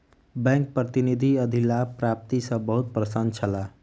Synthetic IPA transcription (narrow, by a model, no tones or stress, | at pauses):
bɛ̃ŋk̚pɾət̪inid̪ʱiəd̪ʱilapɾap̚t̪isʌ̃bəɦut̪̚pɾəsənt͡ʃʰəla